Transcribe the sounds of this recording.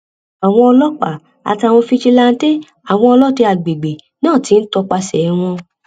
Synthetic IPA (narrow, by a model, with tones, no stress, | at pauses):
a˨w̃ɔ̃˧ɔ˧lɔ˦k͡pa̰˨ | a̰˨ti˧a˨w̃ɔ̃˧fi˧t͡ʃi˧la˧n̩˦te˦ | a˨w̃ɔ̃˧ɔ˧lɔ˦te˧a˨ɡ͡be˨ɡ͡be˨ | nãː˦˨ti˨˦n̩˦tɔ˧k͡pa˧sɛ˨˦w̃ɔ̃˧